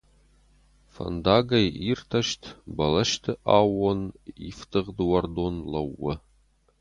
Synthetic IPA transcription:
fɐ̰nd̪aːɡɐjirt̪ʰɐʃtʰbɐlɐʃtʰɨʔaːwɔniftʰɨʁd̪wɐrd̪onlɐwːɐ

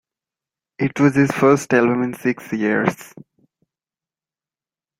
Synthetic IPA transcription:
ɪʈwɔzɪzfəɾsʈɛlbə̃mɪ̃nsɪksjiəɾz̥

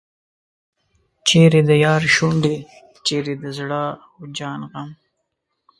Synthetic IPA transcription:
t͡ʃeːɾed̪əjɑːɾʃuɳɖe | t͡ʃeɾed̪əzɽaː | od͡ʒɑːnɣam

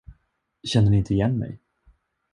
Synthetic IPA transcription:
ɕɛnd̪ənɪɪnt̪əɪjɛnːmɛ̰j

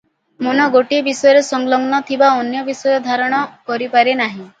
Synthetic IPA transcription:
monɔɡoʈibisɔjɔɾesɔŋɡlɔŋnɔt̪ʰibaɔnjɔbisɔjɔd̪ʱaɾɔɽ̃ɔkɔɾipaɾenaɦĩ

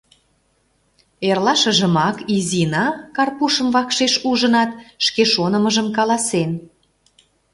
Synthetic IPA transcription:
erlɑʃə̆ʒə̆mɑkizinɑkɑrpuʃə̆mvɑkʃeʃuʒə̆nɑt̪ʃkeʃonə̆məʒə̆mkɑlɑsen

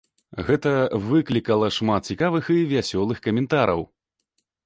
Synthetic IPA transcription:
ɣɛt̪ɐvɨklʲikɐlˠɐʂmat̪̚t͡sʲikavɨxivʲasʲɔlˠɨxkɐmʲɛnt̪aɾʔɐ̰w

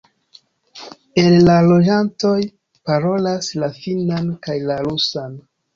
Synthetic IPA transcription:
e̞llalo̞d͡ʒanto̞j | paɾo̞laslafinankajlaɾusan

